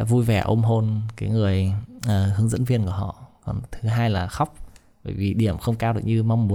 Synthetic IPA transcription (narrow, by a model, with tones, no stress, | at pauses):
a̰˧˥vu˧jvɛ˨˧˩ʔo˧mɦo˧nkaː˨˦jŋɨ˨˩əjʔəː˨˩hɨ˨˦əŋzə̰˧˥nvi˧ənku˧˩əɦɔ̰˧˨kɔ˨˩nt̪ʰɨ˨˦ɦaː˧jlaː˨˩xa˦˥wk͡p̚ | ɓə̰ː˧˩jvi˨˩ɗi˧˩əmxə˧wŋ͡mkaː˧wɗɨ̰˨˩k̚ɲɨ˧ma˧wŋ͡mːu˨˦